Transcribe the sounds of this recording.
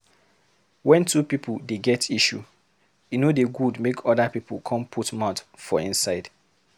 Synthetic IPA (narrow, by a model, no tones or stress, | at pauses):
wɛ̃ntʰupipʰuldeɡɛtʰiʃṵ | junodeɡudmekʰɔdapipukʰɔ̃mpʰutmãtfɔĩnsaɪd